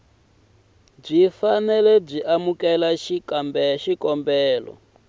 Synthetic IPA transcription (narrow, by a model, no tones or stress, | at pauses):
b͡ʐʷifanɛlɛb͡ʐʷiʔamukɛlaʃikmbɛʃikɔmbɛːlɔ̰